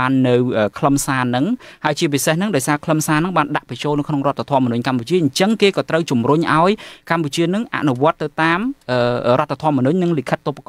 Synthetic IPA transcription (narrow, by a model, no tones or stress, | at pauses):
aːnːɨwʔəːkʰləmsaːnːɨŋhaəjt͡ɕiəp̬isehnɨŋɗaɔjsaːkʰləmsaːnɨŋɓaːnɗaʔprɛt͡ɕoːlnɨwkʰnoŋrŏət̪ʰːat̪ʰɔəmːɔnʊɲkamput͡ɕiəʔəɲt͡ɕəŋkeːkɑːt̪rəwt͡ɕumruɲʔaɔjkamput͡ɕiənɨŋʔa̰ʔnuʋŏət̪ːɨwt̪aːmʔəːroɔət̪ʰːat̪ʰŏəmɔnʊɲnɨŋlikʰət̪ːopakɑ